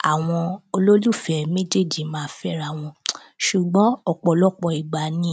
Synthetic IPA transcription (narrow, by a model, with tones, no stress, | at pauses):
a˨w̃ɔ̃˧o˧lo˦lu˦˨fɛ˨mẽ˦d͡ʒe˦˨di˨mãː˨˦fɛ˦ɾa˦˨w̃ɔ̃˧ | ʃu˨ɡ͡bɔ̃˨˦ɔ˦˨k͡pɔ˨lɔ˦k͡pɔ˧˨i˨ɡ͡ba˨nĩ˦